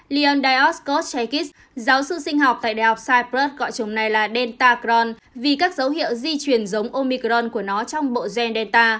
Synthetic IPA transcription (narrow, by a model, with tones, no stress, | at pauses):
li˧ɔ˧nɗaː˧jʔɔ˦˥sko˦˥t̚t͡ɕɛ˧jki˦˥s | zaː˨˦wsɨ̰˧˨sï˧ŋ̟ɦɔ˨˩k͡p̚t̪a̰ː˧˨ɗaː˧˨˩ha˨˩wk͡p̚saː˧jpɾə˦˥t̚ɣɔ̰˧˨jt͡ɕə˨˦wŋ͡mna˨˩jlaː˨˩ɗɛ˧nt̪aː˧kɾɔ˧n | vi˨˩kaː˦˥k̚zə˨˦wɦḭ˧˨əwzi˧t͡ɕwi˨˩ənzə˨˦wŋ͡mʔo˧mi˧kɾɔ˧nku˧˩ənɔ˨˦t͡ɕɔ˧wŋ͡mɓo̰˧˨zwɛ˧nɗɛ˧nt̪aː˧